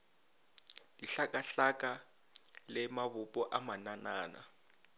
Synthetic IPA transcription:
liɬakʼaɬakʼa | lɛmaβupʼɔʔamananaːna̰

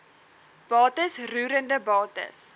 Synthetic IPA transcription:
b̥ɑːtəsruːɾəndəbɑːtə̰s

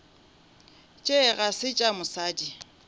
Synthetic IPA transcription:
t͡ʃʼeɣasɪt͡ʃʼamʊsaːdi

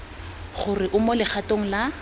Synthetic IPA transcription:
χʊrɪʔʊmɔlɪχʰatʼoŋ̩la

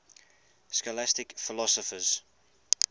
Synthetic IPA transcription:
skɔlastɪkfɪlɔsɔfəz̥

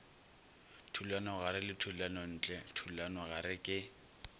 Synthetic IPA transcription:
tʰulanɔɣaɾɪlɪtʰulanɔn̩ːt͡ɬʼɛtʰulanɔɣaɾɪkʼɪ

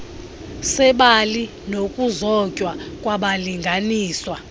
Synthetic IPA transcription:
sɛɓali | nokʼuzɔcʼwakʼwaɓaliŋɡʱaniːswa

